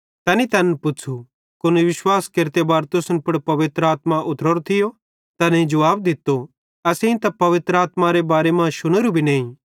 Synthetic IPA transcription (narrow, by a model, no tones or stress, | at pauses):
t̪ɛnit̪ɐnpʊt͡ʃʰu | kʊniʋɪʃwaːskeɾt̪ebaːɾt̪ʊsənpʊɽpɐʋɪt̪ɾəaːt̪mãʔʊt̪ɾɔɾot̪ʰɪjo | t̪ɐnẽĩd͡ʒɐʋaːb̚d̪ɪt̪ːo | ɐːsẽĩt̪ɐpɐʋɪt̪ɾəaːt̪maɾebaːɾemãʃʊñəɾubʱinẽːĩ